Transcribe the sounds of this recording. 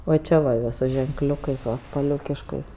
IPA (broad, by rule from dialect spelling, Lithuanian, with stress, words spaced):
ʋɐ ˈt͡ʃʲɛ ʋɐ ʋɐ sʊ ʒʲɛŋkˈlʲʊkɐɪs ʋɐ spɐˈlʲʊkʲɪʃkɐɪs